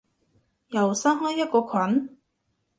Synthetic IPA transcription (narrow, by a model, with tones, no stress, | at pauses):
jɐ˨˩wsaː˥nɦaː˥jɐ˥t̚kɔː˧kʰwɐ˨˥n